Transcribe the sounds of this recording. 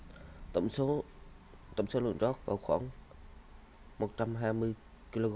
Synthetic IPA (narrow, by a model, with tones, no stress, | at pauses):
t̪ | t̪ə̰˧˩wŋ͡mso˨˦lɨ̰˧˨əŋzɔ˦˥t̚vaː˨˩wxwaː˧˩ŋ | mo˨˩t̚t͡ɕa˧mɦaː˧jmɨ˧əj | ki˧lo˧ɣ